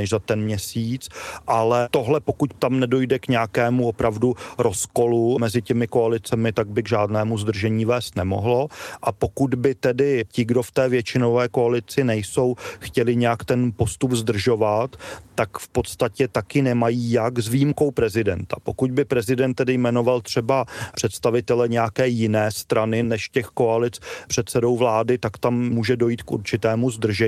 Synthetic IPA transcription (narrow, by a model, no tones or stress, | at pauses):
ɛʃzat̪ɛnmɲɛsiːt͡sʔalɛt̪o̞ɦlɛpo̞kuct̪amnɛdo̞jdɛkɲɛakɛːmuopɾavduɾo̞sko̞lumɛzɪcɛmɪko̞alɪt͡sɛmɪt̪aɡ̚bɪɡʒaːdnɛːmuzd̪r̩ʒɛɲiːvɛːst̪nɛmo̞̰ɦlo̞ʔapo̞kud̪bɪt̪ɛdɪcɪɡdo̞ft̪ɛːvjɛt͡ʃɪno̞vɛːko̞alɪt͡sɪnɛjso̞wxcɛlɪɲɛjakt̪ɛnpo̞st̪ubzd̪r̩ʒo̞vat̪ːakfpo̞t̪st̪acɛt̪akɪnɛmajiːjaɡzvijimko̞wpɾɛzɪdɛ̰nt̪ḁ̰po̞kud̪̚bɪpɾɛzɪdɛnt̪ːɛdɪjmɛno̞valt̪r̝̥ɛbar̥ɛt̪st̪avɪt̪ɛlɛɲɛjakɛːjɪnɛːst̪ɾanɪnɛʃcɛxko̞alɪt͡spr̥ɛt̪sɛdo̞wvlaːdɪt̪akt̪ammuːʒɛdo̞jiːt̪kṵɾt͡ʃɪt̪ɛːmuzd̪r̩ʒɛ